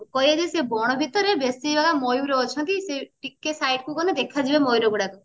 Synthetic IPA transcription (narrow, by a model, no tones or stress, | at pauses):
kɔɦjad͡ʒisebɔɽ̃ɔbʱit̪ɔɾebesibaɡamojuɾɔːt͡ʃʰɔnt̪iseʈikːesajʈkukɔned̪ekʰad͡ʒibemojuɾɔɡuɽakɔ